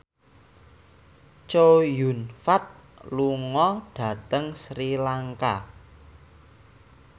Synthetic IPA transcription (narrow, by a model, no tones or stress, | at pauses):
t͡ʃojunfat̪̚ | luŋɔɖ̥ä̤t̪əŋsɾilaŋka